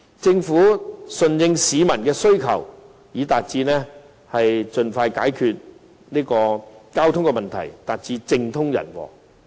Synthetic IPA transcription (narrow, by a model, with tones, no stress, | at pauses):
t͡sɪ˧ŋfuː˨˥sɵ˨˧njɪ˧ŋsiː˨˧mɐ˨˩nkɛː˧sɵ˥ɥkʰɐ̰˨˩w | jiː˨˥t̪aː˨t̚t͡siː˧nɛ˥ | hɐ˨jt͡sɵ˨nfaː˧jkaː˨˥jkʰyː˨˧t̚ | niː˥kɔː˧kaː˥wt̪ʰʊ˥ŋkɛ˧mɐ˨nt̪ʰɐ̰˨˩jt̪aː˨t̚t͡siː˧t͡sɪ˧ŋt̪ʰʊ˥ŋjɐ̰˨˩nwɔ̰ː˨˧